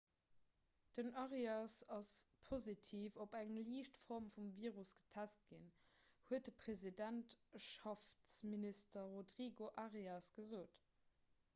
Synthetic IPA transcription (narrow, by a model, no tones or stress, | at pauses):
d̥ənɑʁiɑsɑspʰozitʰiːfobæŋliːʃtfɔʁmfumviːʁusɡ̥ə̥tʰæst̚ɡ̥inhuət̚dəpʁ̥ezidæntʃɑft͡sministɐʁodʁiːɡoʔɑʁiɑsɡ̥əzoːt